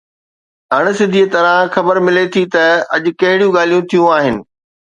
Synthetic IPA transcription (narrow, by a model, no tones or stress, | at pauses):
ɦɐɽ̃̆sɪd̪ʱiət̪ɐɾãxɐbəɾmɪlet̪ʰit̪ɐɐʄʊ̆kɐɦɪɽijũɡaːl̤ijũt̪ʰijũaːɦɪnɪ̆